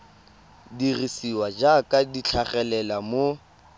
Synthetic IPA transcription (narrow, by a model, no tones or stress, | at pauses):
dirisiwad͡ʒakʼadit͡ɬʰaχɛlɛlamo